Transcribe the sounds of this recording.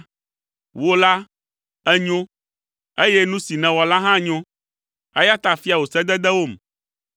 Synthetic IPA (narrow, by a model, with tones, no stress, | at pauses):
wo˦la˦ | ɛ˦ɲõ˦ | e˦je˦nũ˦si˨nɛ̃˨wɔ˨la˦ɦã˦ɲõ˦ | ɛ˦ja˦t̪a˨fi˦a˨wo˨sɛ˦d̪ɛ˦d̪ɛ˦wo˦˨m